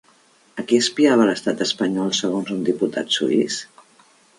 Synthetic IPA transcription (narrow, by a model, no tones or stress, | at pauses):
əkiəspiaβ̞ələst̪at̪əspəɲɔlˠsəɣ̞onzund̪iput̪ʰa̰t̪sṵis